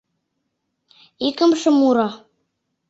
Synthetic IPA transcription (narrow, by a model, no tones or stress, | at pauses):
ikɘ̆mʃɤ̆muɾɑ